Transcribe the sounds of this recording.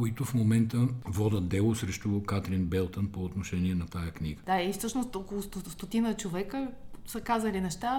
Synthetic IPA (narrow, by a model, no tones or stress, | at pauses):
koit̪ʊfmomɛnt̪əvɔd̪ət̪̚d̪ɛlˠosɾɛʃt̪okat̪ɾinbɛlˠt̪ənpoːt̪noʃɛniɛnɐt̪ajəkniɡəd̪̥aifsɤt͡ʃnost̪ɔkolˠʊst̪ost̪ot̪inət͡ʃovɛkəsəkazəlinɛʃt̪a